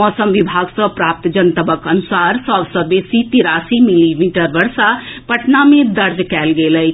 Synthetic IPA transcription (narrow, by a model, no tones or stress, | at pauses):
mɔːsəmʋibʱaːɡsəpɾaːp̚t̪d͡ʒənt̪əbəkənʊsaːɾsɔːbsəbesit̪iɾaːsimilimiːʈəɾʋəɾʃapəʈnamẽd̪əɾd͡ʒkɛːlɡeːləj